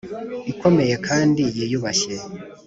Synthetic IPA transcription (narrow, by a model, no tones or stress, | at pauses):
iko̞me̞je̞kʰaːndijejuβaçe